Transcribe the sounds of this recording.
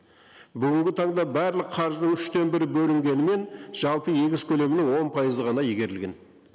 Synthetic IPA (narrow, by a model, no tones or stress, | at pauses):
bʏɡʲɪŋɡʲɪt̪ʰɑɴd̪ɑbæɾlɪqqʰɑɾʒd̪əŋʏʃt̪e̞nbɪɾɪbɵlɪŋɡʲe̞nɪme̞nʒ̥ɑlˠpəje̞ɡʲɪzkʲʰɵle̞mɪnɪwo̞npʰɑjəzəʁɑnɑjiɡʲe̞ɾɪlɡʲe̞n